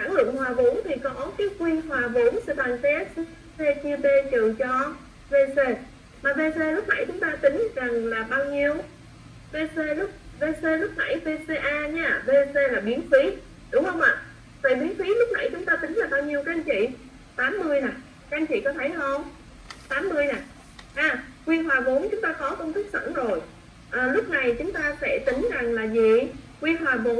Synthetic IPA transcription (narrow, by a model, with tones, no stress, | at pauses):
sa˧˩ŋlɨ̰˧˨əŋhwaː˨˩vṵ˧˦nt̪ʰi˨˩kɔ˨˦kɔ˨˦kaː˨˦jkwi˧ənɦwaː˨˩vu˧˩˦nsɛ̰˧˥ɓaː˨˩ŋsɛ˦˥t̚sse˧t͡ɕɨ˧əɓe˧t͡ɕɨ˨t͡ɕɔ˧ | ve˧se˧ | maː˨˩ve˧se˧lʊ˦˥k͡p̚na̰˧˩jt͡ɕʊ˨˦ŋ͡mt̪aː˧t̪ï˨˦ŋ̟za˨˩ŋlaː˨˩ɓaː˧wɲi˧əw | ve˧se˧lʊ˦˥k͡p̚ve˧se˧lʊ˦˥k͡p̚na̰˧˩jve˧se˧ʔaː˧ɲaː˧˨ve˧se˧laː˨˩ɓi˨˦ənfi˨˦ | ɗʊ˨˧˦ŋ͡mhə˧wŋ͡mʔa̰ː˧˨ | t̪a̰ː˧˨jɓi˨˦ənfi˨˦lʊ˦˥k͡p̚na̰˧˩jt͡ɕʊ˨˦ŋ͡mt̪aː˧t̪ï˨˦ŋ̟laː˨˩ɓaː˧wɲi˧əwkaː˦˥a˧nt͡ɕḭ˧˨ | t̪aː˨˦mːɨ˧əjna˨˩ | ka˦˥ʔnt͡ɕḭ˧˨kɔ˨˦t̪ʰə˨˦jhə˧wŋ͡m | t̪aː˨˦mːɨ˧əjnaː˨˩ | ʔaː˧˩kwi˧ɦwaː˨˩vo˨˦nt͡ɕʊ˨˦ŋ͡mt̪aː˧kɔ˨˦kə˧wŋ͡mt̪ʰɨ˦˥k̚sə̰ː˧˩nzo˨˩j | ʔəː˨˩lʊ˦˥k͡p̚na˨˩jt͡ɕʊ˨˦ŋ͡mt̪aː˧fɛ̰˧˩t̪ï˨˦ŋza˨˩ŋlaː˨˩zi˨˩kwi˧ɦwaː˨˩vo˨˦